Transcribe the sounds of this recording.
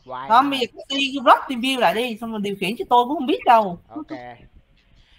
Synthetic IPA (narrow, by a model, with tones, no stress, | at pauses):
hə˧˦mɓə˧jzəː˨˩kɔ˨˦˥t̪i˧zɔ˦˥p̚t̪i˧mvi˧əwla̰ː˧˨jɗi˧sa˧wŋ͡ma˨˩ɗi˨˩əwxi˧˩ənt͡ɕɔ˧˩t̪o˧jkṵ˧˦hxə˧ŋ͡mɓi˦˥ət̚ɗə˧w